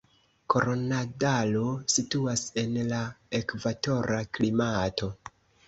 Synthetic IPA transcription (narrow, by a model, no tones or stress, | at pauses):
ko̞ɾonadalosituase̞nlae̞kvato̞ɾaklimatʰo̞